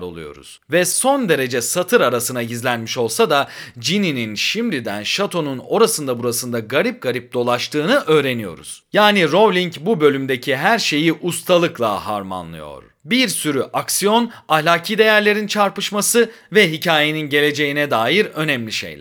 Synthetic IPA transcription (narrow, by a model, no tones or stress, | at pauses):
ɾo̞lˠṵjo̞̰ɾṵz̥vɛso̞nd̪e̞ɾe̞d͡ʒɛsat̪ʰɯɾaɾasɯnaizlʲænmiʃo̞lˠsad̪ad͡ʒinininʃimd̪id̪æ̰nʃat̪ʰo̞nuno̞ɾasɯnd̪abuɾasɯnd̪aɡaɾip̚ɡ̥aɾip̚d̪o̞lˠaʃt̪ʰɯːnɯʔø̞ːɾe̞nijo̞̰ɾṵz̥jaːniɾo̞blʲiɲcbubø̞lʲymd̪e̞cʰiɦæɾʃe̞jiʔust̪ʰalˠɯklˠa̰ha̰ɾma̰nlˠɯ̰jo̞̰ɾ | biɾsyɾyʔaksijo̞nahlʲaːcʰiːd̪e̞jæɾlʲe̞ɾint͡ʃʰaɾpɯʃmasɯ | vɛɦicʰaːje̞ninɟe̞lʲe̞d͡ʒe̞jinɛd̪aːjiɾø̞nɛmlʲiʃḛjlʲ